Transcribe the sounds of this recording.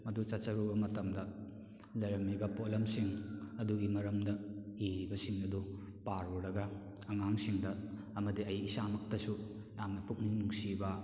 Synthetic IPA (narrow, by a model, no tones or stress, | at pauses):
mɐdut͡ʃat͡ʃɐɾubɐmɐtɐmdɐ | lɐjɾɐmːibɐpolɐmsiŋɐduɡimɐɾɐmdɐiɾibɐsiŋnɐdɔ | paɾuɾɐɡɐː | ŋaŋsiŋdɐː | mɐdiɐjisamɐk̚tɐsu | jamnɐpuk̚ninuŋsibɐ